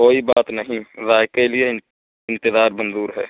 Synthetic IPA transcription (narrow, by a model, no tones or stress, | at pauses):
koːibaːt̪nəɦĩzaːɪkelie | ɪ̃nt̪ɪzaːɾbə̃nd̪uːɾɦɛː